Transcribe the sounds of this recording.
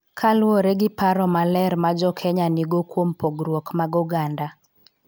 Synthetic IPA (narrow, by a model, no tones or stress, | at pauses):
kʰalwoɾɛɡɪpaɾɔmalɛɾmad͡ʒɔkʰɛɲaniɡokwompoɡɾwokmaɡuɡanda